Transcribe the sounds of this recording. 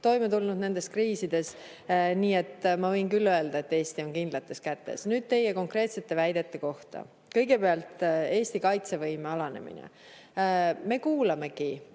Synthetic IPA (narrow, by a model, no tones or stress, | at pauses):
t̪o̞jmet̪ulnud̪ne̞nd̪e̞skriːsid̪̥e̞s | niːe̞t̪ːmɑvɤ̞jnkylːø̞e̞ld̪̥ɑe̞t̪ːe̞ːst̪io̞ŋkind̪lɑt̪ːˑe̞skæt̪ːe̞̰snyːd̪̥̚t̪e̞jːeko̞ŋkre̞ːt̪se̞t̪ːˑe̞væjd̪̥e̞t̪ːe̞ko̞ht̪ɑ̰ | kɤjɡe̞peɑlt̪e̞ːst̪ikɑjt̪se̞vɤjmeɑlɑne̞̰mḭnḛ | me̞kuːlɑme̞ki